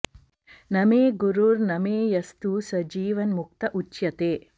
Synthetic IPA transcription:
nɐmeːɡuɾuːɾnɐmeːjɐst̪usɐd͡ʒiːʋɐnmuk̚t̪ɐʔut͡ʃjɐt̪eː

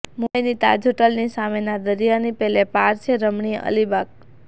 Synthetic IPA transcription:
mujnit̪a̰d͡ʒʱoʈəlnisamenad̪əɾijanipɛɦlepaɾt͡ʃʰeɾəmɳiə̰libak̚

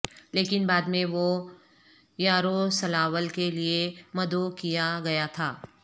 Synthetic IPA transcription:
leːkɪnbaːd̪mẽʋo | jaːɾosɐlaːʋəlkeliemɐd̪okijaɡɐjat̪ʰaː

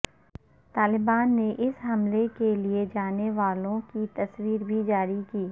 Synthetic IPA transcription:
t̪aːlɪbaːnːeʔɪsɦɐmlekelied͡ʒaːneʋaːlõkit̪ɐswiːɾbʱid͡ʒaːɾikiː

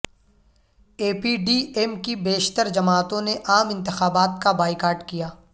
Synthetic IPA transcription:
eːpiːɖiːɛmkibeːʃt̪əɾd͡ʒɐmaːt̪õneʔaːmɪ̃nt̪ɪxaːbaːt̪kabaːɪkaːɾʈkijaː

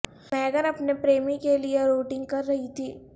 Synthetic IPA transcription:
mɛ̃ːɡəɾɐpnepɾeːmĩkelieɾoːʈɪ̃ŋɡ̚kɐɾːɐɦit̪ʰiː

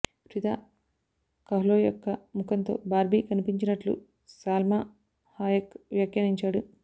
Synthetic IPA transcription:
ɾid̪aː | kɐɦloːjɔkːɐmukʰɐnt̪o̞̰ːbaːɾbʱikɐnipiɲt͡ʃinɐʈlṵ | saːlmaː | haːjɐkʋjakjaniɲt͡ʃaːɽu

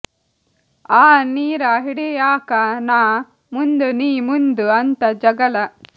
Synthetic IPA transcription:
aːniːɾaɦiɽejaːkanaː | mund̪uniːmund̪uɐnt̪ɐd͡ʒɐɡɐlɐ

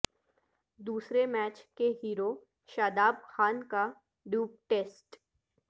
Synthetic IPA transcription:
d̪uːsɾemɛːt͡ʃkeɦiːɾo | ʃaːd̪aːbxaːnka | ɖjuːp̚ʈeːsʈ

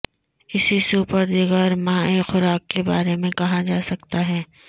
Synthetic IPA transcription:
ɪsisuːpəɾd̪ɪɡəːɾmãːexʊɾaːkːebaːɾemẽkɐɦad͡ʒaːsɐkt̪aɦɛː

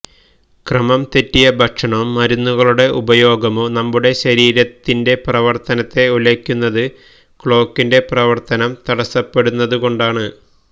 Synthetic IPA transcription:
krɐmɐmt̪etːijɐbʱɐkʂɐɳɐumːɐɾunːuɣɐɭuɽe̞ʔubɐjo̞ːɡɐmonɐmːuɽe̞ɕɐɾiːɾɐt̪ːinde̞prɐʋɐrt̪ɐnɐt̪ːe̞ulekʲːunːɐðɨ | kɭo̞ːkːinde̞prɐʋɐrt̪ɐnɐmt̪ɐɽɐsːɐpːe̞ɽunːɐðuko̞ɳɖaːɳɨ

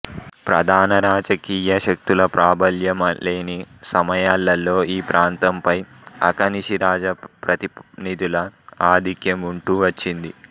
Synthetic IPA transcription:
pɾɐd̪ʱaːnɐɾaːd͡ʒɐkiːjɐʃɐk̚t̪ulɐpɾaːbɐljɐmle̞ːnisɐmɐjaːlːɐlːo̞ːiːpɾaːnt̪ɐmpɐj | ɐ̰kɐniʃiɾaːd͡ʒɐpɾɐt̪inid̪ilɐaːd̪ʱikjɐmuɳʈuːʋɐt͡ʃːind̪i

